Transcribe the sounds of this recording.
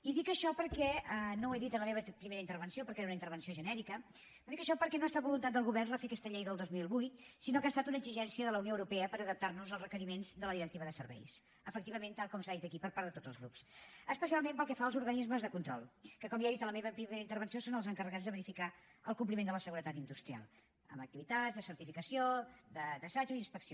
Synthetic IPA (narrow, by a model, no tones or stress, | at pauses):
iðikəʃɔpəɾkɛənoɛðit̪ənləmeβəpɾimeɾəint̪əɾβənsiopəɾkɛɾunəint̪əɾβənsioʒənɛɾikə | oðikəʃɔpəɾkɛnoest̪aβulunt̪at̪̚d̪əlˠɣuβɛrrəfekɛst̪əʎejðəlˠd̪ozmilˠβujsinokaːst̪at̪unəɡziʒɛnsiəðələwnioəwɾupɛəpəɾəðəp̚t̪arnuzəlˠzrəkəɾimenzd̪ələðiɾək̚t̪iβəðəsə̰ɾβɛ̰js | əfəkt̪iβəment̪alˠkɔmsaðit̪əkipəɾpaɾðət̪odd͡zəlˠzɣɾupsəspəsialˠmempəlˠkɛfaəlˠzuɾɣənizməzðəkunt̪ɾɔ̰lˠkəkɔmeaðit̪ələmeβəpɾimeɾəint̪əɾβ̞ənsiosonəlˠzəŋkərəɣad͡zðəβəɾifikaəlˠkump̬limend̪ələsəɣuɾət̪at̪ind̪ust̪ɾia̰lˠ | ə̰mək̚t̪iβit̪azðəsəɾt̪ifikəsiod̪əðəsad͡ʒuinspəksio